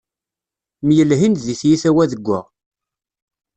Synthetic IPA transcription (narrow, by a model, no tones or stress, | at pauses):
mjəlɦinðiθjiθæwæðəɡʷːæ̰ʁ